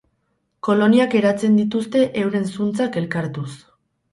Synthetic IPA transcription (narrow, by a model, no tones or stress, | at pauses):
ko̞lo̞niake̞ɾat͡se̞nd̪it̪ust̪e̞ʔewɾe̞nsunt͡sake̞lkaɾt̪us